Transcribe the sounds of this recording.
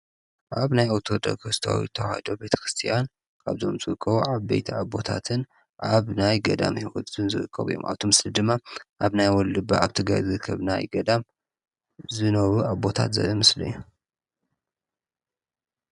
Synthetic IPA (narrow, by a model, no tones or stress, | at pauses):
ʔaβnajawt̪ʰo̞d̪ʼɐ̰kʰɨst̪ʰa̰wḭt̪ʰɐwa̰hid̪o̞be̞t̪ʰɐ̥xɾɨst̪ʰijan | kʰa̰βzo̞̰mzɨɣɨkʰʼːɐβuʕaβbḛjt̪ʰiabo̞t̪ʰa̰t̪ʰɨn | ʔaβnajɡɐd̪a̰mhiwɔt̪ɨnzɨɾɨkʰʼːɐβɨjːo̰mʔa̰βt̪ʰo̞mɨslid̪ɨmːaʔaβnajwɔlːɨba̰aβt̪ʰɨɡɾa̰jzɨɾɨkʰːɐβna̰jɡɐd̪am | zɨnɐβuʔabo̞t̪ʰa̰t̪zɐ̰ʔomɨslɨ̰ju